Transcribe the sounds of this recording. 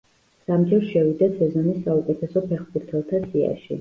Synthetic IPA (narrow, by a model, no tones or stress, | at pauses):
samd͡ʒɛɾsʃɛvid̪asʰɛzɔnisːaukʼɛt̪ʰɛsɔpʰɛχbuɾt̪ʰɛlˠt̪ʰasia̰ʃḭ